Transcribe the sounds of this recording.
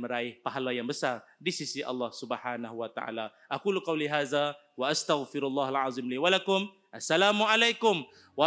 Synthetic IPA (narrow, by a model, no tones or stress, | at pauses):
mɾˤaʔjɪhpaɦalːajambəsadisisiʔɑ̰lˤːɑːhsʊbħaːnahʊwat̪a̰ʕa̰ːla | ʔaquːlqɑwliɦaːða | waʔast̪aɣfɪɾalˤːɑːhalʕɑːzˤɨmliːwalakʊm | ʔasːalaːmʊʕalajkʊm | wɑ